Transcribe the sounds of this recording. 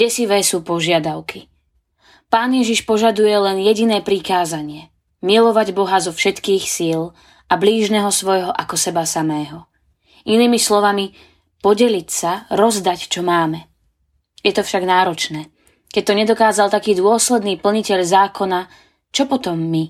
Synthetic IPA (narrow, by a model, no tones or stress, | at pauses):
ɟɛsiʋɛːsuːpɔʒɪad̪aʊki | paːnjɛʒiʃpɔʒad̪ujɛlɛnjɛɟinɛːpɾikaːzaɲɪɛ | milɔʋaɟbɔɦazɔfʃɛt̪kiːxsil | ʔabliːʒnɛɦɔsʋɔjɦɔʔakɔsɛbasamɛːɦɔ | ʔiniːmislɔʋami | pɔɟɛlicsaɾɔzd̪act͡ʃɔmaːmɛ | jɛt̪ɔfʃaɡnaːɾɔt͡ʃnɛː | kɛc̚t̪ɔɲɛd̪ɔkaːzalt̪akiːd̪ʊɔslɛd̪niːpl̩ɲicɛʎzaːkʰɔna | t͡ʃɔpɔt̪ɔmːi